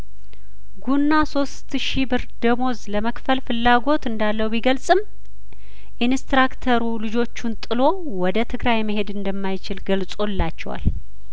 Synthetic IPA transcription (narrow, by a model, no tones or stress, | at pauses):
ɡunːaso̞st̪ʃibɨɾd̪̥əmo̞zləməkfəlfɨlːaɡo̞t̪ɨnd̪alːəwbiɡəlsʼɨm | ʔinst̪ɾakt̪ʰəɾulɨd͡ʒo̞t͡ʃːunt̪ʼɨlo̞ | wɔd̪ət̪ʰɨɡɾajməɦe̞d̪ɨnd̪əmːajt͡ʃɪlɡəlsʼo̞lːat͡ʃːɛwa̰l